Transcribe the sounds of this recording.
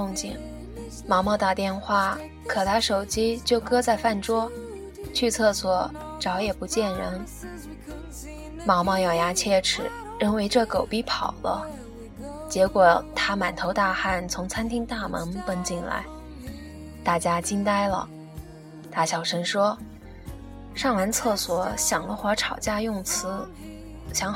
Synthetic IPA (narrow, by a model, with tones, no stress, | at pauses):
ʊ˥˧ŋt͡ɕi˥˩n | mɑ˧˥ŋmɑ˥˧t̪a˥˧t̪jɛ˥˧nxwa˥˩ | kʰɤ˨˩t̪ʰa˥ʂo˨˩ʊt͡ɕi˥t͡ɕjo˥˩ʊkɤ˥t͡sa˥˧ɪfa˥˩nʈ͡ʂwɔ˥ | t͡ɕʰy˥˧t͡sʰɤ˥˩swɔ˨˩ | ʈ͡ʂɑ˧˥ʊjɛ˨˩pu˧˥t͡ɕjɛ˥˩nɻə˧˥n | mɑ˧˥ŋmɑ˥˧jɑ˥˩ʊja˧˥t͡ɕʰjɛ˥˧ʈ͡ʂʰɻ̩˨˩ | ɻə˥˩nwe˧˥ɪʈ͡ʂɤ˥˩ko˨˩ʊpi˥˩pʰɑ˨˩ʊlə̰˦ | t͡ɕjɛ˧˥kwɔ˨˩t̪ʰa˥ma˨˩nt̪ʰo˧˥ʊt̪a˥˧xa˥˩nt͡sʰʊ˧˥ŋt͡sʰa˥nt̪ʰi˥ŋt̪a˥˩mə̰˧˥ŋpə˥ŋt͡ɕi˥˩nla̰˧˥ɪ | t̪a˥˩t͡ɕja˥t͡ɕi˥nt̪a˥ɪlə̰˨ | t̪a˥˩ɕjɑ˨˩ʊʂə˥nʂwɔ˥ | ʂɑ˥˩ŋla˧˥nt͡sʰɤ˥˩swɔ˧˥ɕjɑ˨˩ŋlə˦xwa˧˥ʈ͡ʂʰɑ˨˩ʊt͡ɕja˥˧jʊ˥˩ŋt͡sʰɹ̩˧˥ | ɕjɑ˧˥ŋ